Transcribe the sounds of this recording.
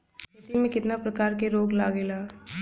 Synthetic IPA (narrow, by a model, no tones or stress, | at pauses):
pɐt̪imẽkɪt̪napɾəkaːɾkeɾoːɡla̰ːɡeːlaː